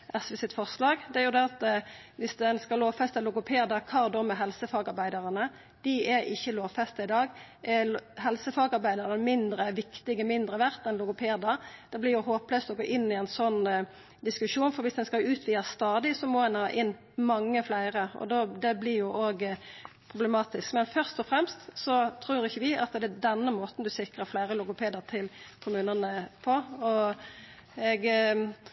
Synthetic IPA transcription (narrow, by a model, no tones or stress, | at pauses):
ʔɛsʋɪsɪt̪fɔʁʂlɑːɡd̪ɛæɾjʊd̪ɛɑt̪ʋɪsd̪ɛnskɑloːʋfɛst̪əlʊɡʊpʰeːd̪ɑkʰɑːd̪ɔmɛɦɛlsəfɑːɡɑɾbæɪd̪ɑʁənə | d̪̥ɪɛɪçːəloːʋfɛst̪ɑɪd̪ɑːɡʔɛɦɛlsəfɑːɡɑɾbæɪd̪ɑʁnəmɪnd̪ɾəʋɪkt̪ɪɡəmɪnd̪ɾəʋæʁt̪ɛnlʊɡʊpʰeːd̪ɑd̪̥ɛblɪɾjʊɦoːpləst̪ɔɡoːʔɪnːɪɛɪnsɔnː | d̪ɪskʉʂuːnfɔɾʋɪsd̪ɛnskɑʉːt̪ʰʋiːəst̪ɑːd̪ɪsɔmɔd̪ɛnhɑːʔɪnː | mɑŋːəflæɪɾəɔ̰d̪ɔd̪ɛblɪɾjʊʔoːɡ | pʰʁʊblɛmɑːt̪ɪskmɛnfœʁst̪ɔfʁɛmst̪sɔt̪ʰɾʉːɾɪçːəʋɪʔɑt̪d̪ɛd̪ɛnːəmoːt̪n̩d̪ʉsɪkɾəɾflæɪɾəlʊɡʊpʰeːd̪əʁt̪ʰɪlkʰʊmʉːnənəpʰɔɔ | ɛɡ